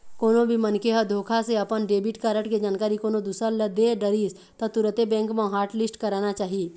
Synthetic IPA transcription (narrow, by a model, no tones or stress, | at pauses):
koːnõbʱimənkeɦəd̪ʱoːkʰaseɐpənɖeːbɪʈkaɾəʈked͡ʒaːnkaːɾikoːnõd̪uːsələd̪eɖəɾiːz | t̪ɐt̪ʊɾət̪ebɛ̃ːŋkmãɦaːɾʈlɪsʈkɐɾaːnat͡ʃaːɦieː